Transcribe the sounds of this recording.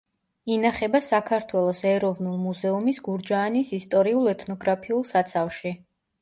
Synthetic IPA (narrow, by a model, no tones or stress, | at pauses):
inaχɛbasakʰaɾt̪ʰwɛlˠɔsɛɾɔvnulˠmuzɛumisɡuɾd͡ʒaːnisist̪ʼɔɾiulˠɛt̪ʰnɔɡɾapʰiulˠsat̪sʰafʃi